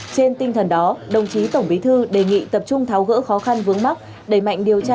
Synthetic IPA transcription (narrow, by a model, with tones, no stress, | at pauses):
t͡ɕe˧nt̪ï˧ŋ̟t̪ʰə˨˩nɗɔ˨˦ɗə˨˩wŋ͡mt͡ɕi˨˦t̪ə˧˩wŋ͡mɓi˨˦t̪ʰɨ˧ɗe˨˩ŋḭ˧˨t̪ə˨˩p̚t͡ɕʊ˧ŋ͡mt̪ʰa˨˦wɣə̰ː˧˥xɔ˨˦xa˧nvɨ˨˦əŋma˦˥k̚ | ɗe˧˩jma̰˧˨jŋ̟ɗi˨˩əwt͡ɕaː˧